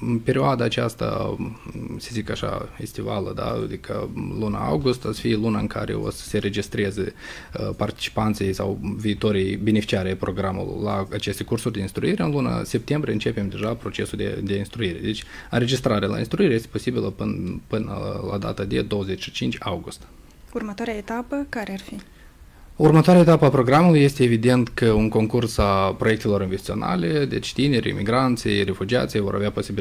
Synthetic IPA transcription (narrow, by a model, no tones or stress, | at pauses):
ɨnpe̞ɾioad̪aːt͡ʃast̪a̰ | se̞zikaʃa̰fest̪iva̰ləd̪a̰d̪ikʰə̰luna̰a̰wɡust̪asfilunaɨŋkʰaɾḛo̞̰sə̥se̞ɾe̞d͡ʒist̪ɾezə | part̪i̥t͡ʃi̥pant̪sijsa̰wviːt̪o̞ɾijbenefi̥t͡ʃiaɾeajpɾo̞ɡɾamṵlo̰rlaːt͡ʃe̞st̪e̞kursurʲd̪e̞inst̪ɾuiɾeɨnluna̰se̞p̚t̪e̞mbɾieɨnt͡ʃe̞pe̞md̪e̞ʒapɾo̞t͡ʃe̞suld̪ḛd̪einst̪ɾuiɾe̞̰d̪e̞t͡ʃʲɨnɾe̞d͡ʒist̪ɾaɾealʔa̰inst̪ɾuiɾejest̪epo̞sibiləpɨnpɨnə̰la̰d̪a̰t̪ad̪e̞d̪o̞wəze̞t͡ʃʲʃi̥t͡ʃint͡ʃʲa̰wɡust̪ | urmət̪oaɾeaet̪apəkaɾearfi | urmət̪oaɾeaet̪apəapɾo̞ɡɾamuluje̞st̪e̞ːvid̪e̞nt̪kəuŋko̞ŋkursapɾo̞je̞k̚t̪e̞lo̞ɾinvest̪t̪siona̰le̞d̪e̞̰t͡ʃʲt̪ine̞ɾʲḭmiɡɾant̪sḭjre̞fud͡ʒia̰t̪sijvo̞̰ɾʔa̰veapo̞sibil